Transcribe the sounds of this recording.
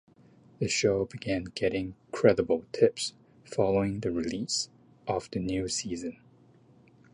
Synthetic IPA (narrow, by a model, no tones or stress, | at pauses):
ðɨʃoʊbɨɡæ̃nɡɛɾɪ̃ŋkʰɹ̥ɛɾəbl̩ˠtʰɪps | fɑlˠoʊɪ̃ŋðɨɹilis | ʔʌvðɨnjʉsizɨ̃n